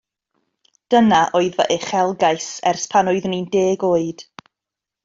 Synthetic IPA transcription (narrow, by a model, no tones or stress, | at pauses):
d̥ənaʔoːɨðvə̰ʔeχɛlˠɡajsɛrspʰanʊɨðnindeːɡoːɨd̥